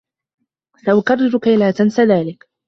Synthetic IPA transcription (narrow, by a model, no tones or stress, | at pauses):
saʔʊkɑrˤːɪɾʊkaʔɪlaːt̪ansaðaːlɪk